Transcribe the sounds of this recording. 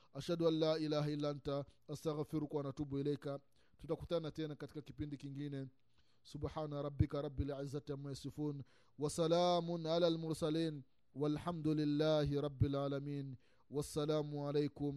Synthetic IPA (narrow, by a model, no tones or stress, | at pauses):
ʔaʃaduanːaːʔilaːɦailːaantaastaɣfiɾukuwanatubuilɛka | tutakutanatɛnakati̥kakipindikiŋɡinɛ | subħaːnaɾˤɑbːikaɾˤɑbːilʕizːatamujasɪfuːn | wasalaːmʊnʕalaːlmʊɾsaliːn | walħamd̪ulilːaːɦiɾˤɑbːilʕalamiːn | wasːalaːmuʕalejkʊm